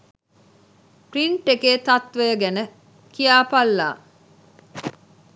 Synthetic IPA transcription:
priɳʈːekeːt̪ɐt̪ʋejəɡænə | kijaːpalːa̰ː

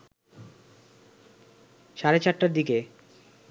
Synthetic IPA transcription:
ʃaɾet͡ɕaʈːaɾd̪ike

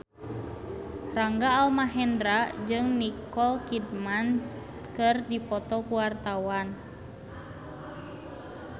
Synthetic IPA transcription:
raŋɡaːlmaɦɛndɾad͡ʒɨŋnikɔlkidman | kɨrdipɔt̪ɔkuwart̪awan

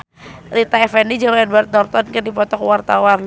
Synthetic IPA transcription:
rit̪aɛfɛndid͡ʒalɛdwart̪̚nɔrt̪ɔnkərdipɔt̪ɔkwart̪awan

